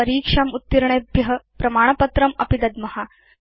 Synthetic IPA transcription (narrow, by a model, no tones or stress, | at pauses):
ɐɾiːkʂamut̪ːiɾɳebjɐɦɐpɾɐmaːɳɐpɐt̪ɾɐmɐ̰pid̪ɐd̪mɐha